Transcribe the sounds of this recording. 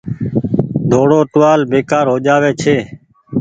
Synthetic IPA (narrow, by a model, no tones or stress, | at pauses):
d̪ʱoːɽoːʈ̪ʊʋaːlbeːkaːɾɦoːd͡ʒaːʋeːt͡ʃʰeː